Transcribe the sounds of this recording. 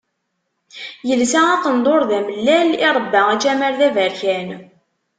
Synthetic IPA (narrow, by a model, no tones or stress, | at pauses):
jəlsææqənd̪ˤoɾðæməlːæliɾˤəbːææt͡ʃæməɾðævæɾçæn